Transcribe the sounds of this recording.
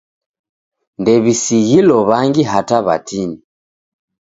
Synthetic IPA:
ndɛβisiɣilɔβaŋɡiɦataβa̰tini

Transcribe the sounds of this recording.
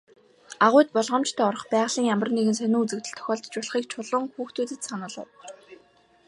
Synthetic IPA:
aʁʊːjt̪̚pɔɮʁə̆mt͡ɕt̪ʰæːɔr̆χpæːʁɮiːŋjamə̆rneɣɘ̆nsœnuːut͡sɘ̆kt̪ɘ̆ɬt̪ʰœ̥xʲɔːɮt̪t͡ɕʊɮ̆χiːk̚t͡ɕʰʊɮʊ̆ŋxuːxt̪ʰuːt̪ĭt̪sanə̆ɮə̰̆w

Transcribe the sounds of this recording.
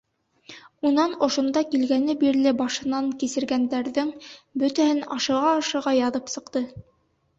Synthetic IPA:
unɑnŏʃŏnd̪ɑkilɡænɘbiɾlɘbɑʃɤ̆nɑŋkisɘ̆ɾɡænd̪æɾðɘŋbɵt̪æhɘnɑʃɤ̆ʁɑːʃɤ̆ʁɑjɑðɤpsɤ̆qt̪ɤ

